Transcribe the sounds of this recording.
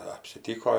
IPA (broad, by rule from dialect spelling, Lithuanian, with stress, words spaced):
ɐpʲsʲɪˈtʲiːkoː